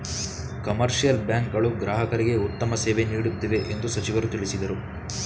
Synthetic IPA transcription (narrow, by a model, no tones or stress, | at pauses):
kɐmɐɾʂijɐlbjaːŋkɡɐɭuɡɾaːɦɐkɐɾiɡe̞ut̪ːɐmɐseːʋe̞niːɽut̪ːiʋe̞ʔend̪usɐt͡ʃiʋɐɾut̪iɭisid̪ɐɾu